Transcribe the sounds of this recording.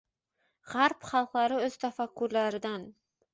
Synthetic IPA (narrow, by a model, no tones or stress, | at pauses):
ʁaɾpχɑlˠqlˠaɾɪɵz̥t̪ʰafakːuɾlaɾɪd̪an